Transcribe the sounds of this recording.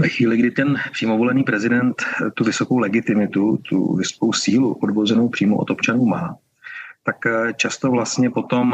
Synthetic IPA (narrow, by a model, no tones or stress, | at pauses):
vɛxʋiːlɪɡdɪt̪ɛnpr̥iːmo̞volɛniːpɾɛzɪdɛnt̪t̪ːuvɪso̞ko̞wlɛɡɪt̪ɪmɪt̪ut̪ṵvɪso̥ko̞wsiːluʔodvozɛnowpr̥iːmoʔot̪o̞pt͡ʃanuːmaː | t̪akt͡ʃast̪o̞vlast̪ɲɛpo̞t̪o̞m